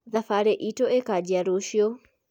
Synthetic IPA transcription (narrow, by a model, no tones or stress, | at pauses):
ðafaɾɛʔitɔʔɛkad͡ʒiaɾoʃjɔ